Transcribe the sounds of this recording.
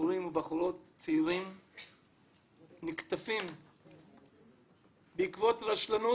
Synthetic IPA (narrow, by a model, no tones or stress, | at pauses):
uɾimubaχulot̪t͡seiʁim | nikt̪afim | beikvo̞t̪ʁaʃlanu